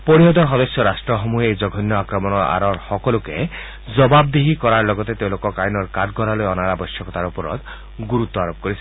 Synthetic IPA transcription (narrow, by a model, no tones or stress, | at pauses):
poɾiɔd̪ɔɾɦɔd̪ɔsjɔɾasʈɾɔɦɔmueejd͡ʒɔɡʱɔnːjɔakɾɔmɔnɔa̰ɾɔɾhɔkɔluke | d͡ʒɔbabd̪eɦikɔɾaɾlɔɡɔt̪et̪ew̃lokɔkajnɔɾkad̪ɡʱɔɾalojɔnaɾabɔjsjɔkɔt̪aɾupɔɾɔ̰d̪ | ɡuɾut̪ːɔaɾop̚koɾisʰi